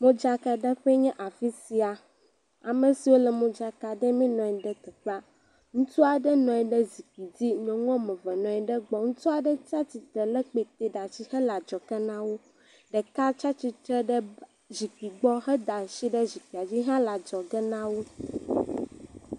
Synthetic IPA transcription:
mõ˦d͡ʒa˦ka˨ɖɛ˦ɸɛ˦ɲɛ̃˦ʔa˨fi˦si˨a˨ | a˨mɛ̃˨si˨wo˦lɛ˨mõ˦d͡ʒa˦ka˨ɖɛ˦mĩ˦nɔ̃˨ɛ˨ɖɛ˦t̪ɛ˨k͡pa˦ | ŋũ˦t̪u˦a˨ɖɛ˦nɔ̃˨ɛ˨ɖɛ˦zi˨k͡pi˨d͡ʑi˦ɲɔ̃˨ŋɔ̃˦mɛ̃˨vɛ˨nɔ̃˨ɛ˨ɖɛ˦ɡ͡bɔ˨ŋũ˦t̪u˦a˨ɖɛ˦t͡ʃa˦t͡ɕi˨t̪ɾɛ˨lɛ˦k͡pe˨t̪e˦ɖa˨t͡ɕi˦hɛ˦la˨d͡ʒɔ˨kɛ˦nã˦wo˦ | ɖɛ˨ka˦t͡ʃa˦t͡ɕi˦t̪ɾɛ˦ɖɛ˦ | zi˨k͡pi˨ɡ͡bɔ˦ɦɛ˦d̪a˨ʃi˦ɖɛ˦zi˨k͡pi˨a˨d͡ʑi˦ɦã˦la˨d͡ʒɔ˨ɡɛ˦nã˦wo˦

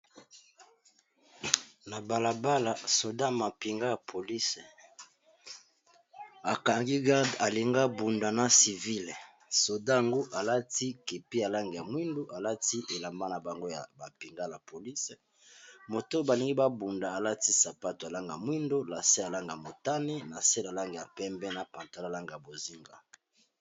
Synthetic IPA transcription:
na˨ba˨la˨ba˦la˨so˨da˦ma˨pi˨ŋɡa˦ja˨pʰo˨li˦se˨ | a˨ka˨ŋɡi˦ɡa˦da˨li˨ŋɡa˦bu˨nda˨na˨si˨vi˦l | so˨da˦ja˨ŋɡo˦ʔa˨la˦ti˦ke˨pi˦ja˨la˦ŋɡe˨ja˨mwi˦ndo˦ʔa˨la˦ti˦ʔe˨la˨mba˦na˨ba˨ŋɡo˦ja̰˨ba˨pi˨ŋɡa˦la˨pʰo˨li˦s | mo˨to˦ba˨li˨ŋɡi˦ba˦bu˨nda˨a˨la˦ti˦sa˨pa˦to˨ja˨la˦ŋɡa˨mwi˦ndo˦la˨se˦ja˨la˦ŋɡa˨mo˨ta˦ne˦na˨se˦la˨la˦ŋɡe˨ja˨pɛ˦mbɛ˦na˨pa˨nta˨˦la˦˨la˦ŋɡa˨ja˨bo˨zi˦ŋɡa̰˦

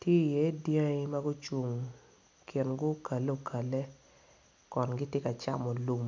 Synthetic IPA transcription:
tje˦˨je˦djã˦ma˦ɡʊ˦t͡ʃu˨ŋ | kʰe˨nɡʊ˦kʰa˨le˦o˨kʰa˨le˦ | kɔ˨nɡɪ˦tje˦ka˨t͡ʃa˦mɔ˨lu˨m

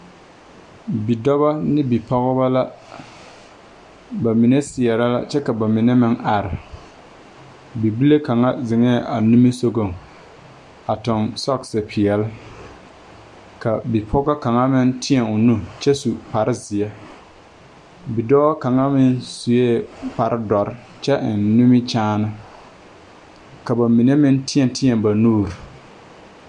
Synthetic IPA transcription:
bi˨dɔ˦ba˦nɪ˦bi˨pʰɔ˦ɣba˦la˦ | ba˨mi˨nɛ˦sɪ˨ɛ˨ɾa˦la̰˦t͡ʃɛ˦ka˨ba˨mɪ˨nɛ˦mɪ˦ŋa˨ɾɪ˨ | bi˨bi˦le˦ka˨ŋa˦zɪ˨ŋɛː˦˨ʔa˨nu˦mi˦so˦ɡo˨ŋ | a˨tʊ˨nsɔ˦ksɪ˨pʰɪ˨ɛ˨lɪ˦ | ka˨bi˨pʰɔ˦ɡa˦ka˨ŋa˦mɪ˦ntɪ˦ɛ˨ʊ˨nu˦t͡ʃɛ˦su˨pa˨ɾɪ˦zɪ˨ɛ˦ | bi˨dɔː˦ka˨ŋa˦mɪ˦nsu˨je˦pa˨ɾɪ˦dɔ˨ɾɪ˦ | t͡ʃɛ˦ʔɪ˨nːu˦mɪ˦t͡ʃaː˦nɪ˦ | ka˨ba˨mi˨ne˦mɪ˦n˦tɪ˦ɛ˨n˦tɪ˦ɛ˨mba˨nuː˦˨ɾ

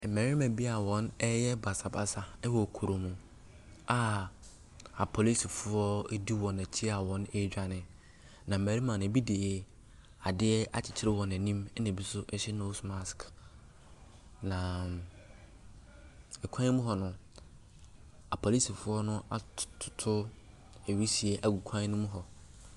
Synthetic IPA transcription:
m̩˨mɛ˨ɾi˦mã˨bi˦a˨wɔ̃˦nɛ˦jɛ˦ba˨sa˨ba˨sa˨ɛ˦wɔ˨kʰu˨ɾo˨mũ˨ | a˦˨ | a˨pʰo˨li˦si˨fʊ˦ɔ˦di˦wɔ̃˨nɛ˨t͡ɕʰi˦a˨wɔ̃˨˦ne˦d͡ʑᶣa˨nɪ̃˨ | nã˨m̩˨mæ˨ɾi˦mã˨nɪ̃˨˦bi˦deː˨ɛ˦ | a˨dɪ˦ɛ˦ʔa˨t͡ɕʰɪ̥˨t͡ɕʰɪ˦ɾɪ˦wɔ̃˨nɛ̃˨nĩ˦mɛ˦nɛ̃˨bi˦sʊ˦ʔɛ˦ɕɛ˦no˦sma˦sk | nã˨ | ɛ˨kʷʰã˦mʊ̃˦ɦɔ˨nʊ̃˦ | a˨pʰo˨li˦si˨fʊ˦ɔ˦nʊ̃˦a˨tʰʊ̥˨tʰʊ˦ | e˨ɥi˦si˨ɛ˨ʔæ˨ɡu˨kʷʰã˦nʊ̃˦mʊ̃˦ɦɔ˨

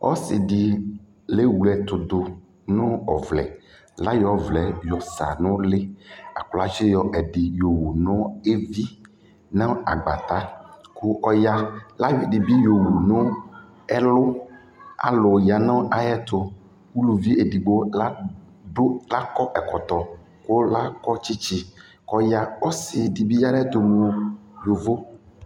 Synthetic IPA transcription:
ɔ̰˦sɪ˨di˨ | le˦wu˨lɛ˨t̪ʊ˨d̪ʊ˨ | nʊ̃˦ɔ˨vlɛ̰˨ | la˦jɔ˨˦vlɛ˨jɔ˨sa̰˨nʊ̃˦lɪ˦a̰˨kla˦t͡ʃɪ˦jɔ˨ʔɛ˨ɖi˨jo˨wu˨nʊ̃˦e˦vi˦ | nã˦a˨ɡ͡ba̰˨t̪a˦kʰʊ˦ʔɔ˦ja˦la˦jdi˨bi˦jo˨wu˨nʊ̃˦ | ɛ˦lʊ˦ | a̰˨lʊ˨ja˨nɔ̃˦ʔa˨jɛ˦t̪o˨ | wu˦lu˨vi˦e˨di˨ɡ͡bo˦la˦ | ɖo˦la˦kɔ˦ʔɛ˨kɔ˨t̪ɔ˨ | ko˦la˦kɔ˦t͡ʃi˦t͡ʃi˦ | kɔ˦ja˦ɔ˦sɪ˨di˨bi˦ja˦ɖɛ˦t̪o˨mo˨˦jo˨vo˦

